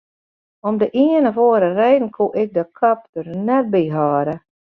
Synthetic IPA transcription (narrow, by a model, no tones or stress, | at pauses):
ɔmdəʔiənəfoːəɾərɛjdn̩kʰuʔɪk̚dəkʰap̚dərnɛt̚biɦaːɾə